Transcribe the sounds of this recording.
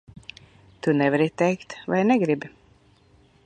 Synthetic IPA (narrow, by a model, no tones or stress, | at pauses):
t̪unɛvɛɾit̪ɛjkt̪va̰jnɛɡɾibi